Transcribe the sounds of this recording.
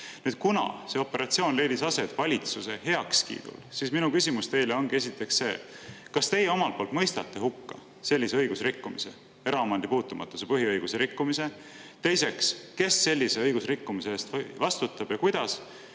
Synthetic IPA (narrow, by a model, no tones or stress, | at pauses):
nyːd̪̥̚kunɑ̰se̞o̞pːˑe̞ɾɑt̪sio̞ːnle̞jd̪̥isɑse̞t̪vɑlʲit̪suse̞he̞ɑkskḭːd̪̥ṵlsiːsminukysʲimust̪e̞jle̞o̞nɡ̥ie̞sit̪ːˑe̞ksse̞̰ːkɑst̪e̞jeomɑltpo̞ːlt̪mɤjst̪ɑt̪ːˑe̞ɦukːɑ | se̞lʲːise̞ɤ̞jɡ̥usrikːumise̞ | e̞ɾɑɑmɑnd̪̥ipuːt̪ːˑumʔɑ̰t̪ːˑuse̞pɤɦiɤjɡ̥useɾikːumise̞ | t̪e̞jse̞kske̞sːe̞lʲːise̞ɤjɡ̥usrikːumiseeːst̪vɑst̪ut̪ːˑɑb̥jɑkujd̪̥ɑs